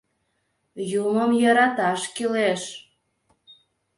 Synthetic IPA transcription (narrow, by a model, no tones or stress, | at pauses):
juməmjɑɾɑt̪ɑʃkileʃ